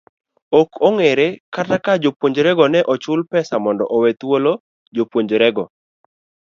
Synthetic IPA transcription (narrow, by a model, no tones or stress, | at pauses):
okʰoŋeɾekatakad͡ʒopwoɲd͡ʒɾɛɡɔnɛʔɔt͡ʃʊlpɛsamɔndɔʔowɛt̪wolo | d͡ʒopwoɲd͡ʒɾɛɡɔ